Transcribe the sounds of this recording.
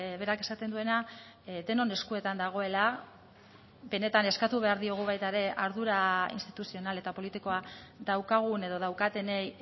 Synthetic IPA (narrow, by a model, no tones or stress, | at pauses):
βe̞ɾake̞sat̪e̞nd̪ue̞na | d̪e̞no̞ne̞skue̞t̪and̪aɣ̞o̞e̞la | be̞ne̞t̪ane̞skat̪uβ̞e̞aɾðio̞ɣ̞uβ̞ajt̪aeɾe̞ʔaɾðuɾaḭnst̪i̥t̪usio̞nale̞t̪apo̞lit̪iko̞aðawkaɣ̞une̞ðo̞ð̞awkat̪e̞nej